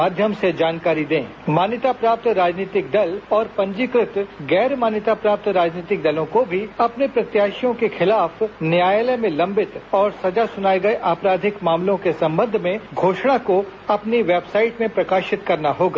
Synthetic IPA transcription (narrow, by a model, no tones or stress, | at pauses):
aːd̪ʱjəmsed͡ʒaːnkaːɾid̪ẽː | maːnjət̪apɾaːp̚t̪ɾaːd͡ʒniːt̪ɪk̚d̪ɐlɔːɾpɐ̃ɲd͡ʒɪkɾɪt̪ɡɛːɾmaːnjət̪apɾaːp̚t̪ɾaːd͡ʒniːt̪ɪk̚d̪ɐlõkobʱiɐpnepɾɐt̪jaːʃijõkexɪlaːfnjaːjelɛmẽlɐ̃mbɪt̪ɔːɾsɐd͡ʒasʊnaːeɡɐeʔaːpɾaːd̪ʱɪkmaːmlõkesɐ̃mbə̃nd̪ʱmẽɡʱoːʃɽ̃akoɐpniʋeːbsaːɪʈmẽpɾɐkaːʃɪt̪kɐɾnaɦoːɡaː